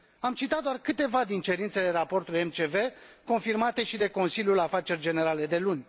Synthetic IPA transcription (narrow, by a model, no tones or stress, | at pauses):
amt͡ʃit̪at̪̚d̪oarkɨt̪e̞vad̪int͡ʃe̞ɾint̪se̞leɾapo̞rt̪ulie̞mt͡ʃe̞ve̞ko̞nfirmat̪e̞ʃid̪e̞ko̞nsiljulafat͡ʃe̞rʲd͡ʒe̞ne̞ɾale̞d̪e̞lunʲ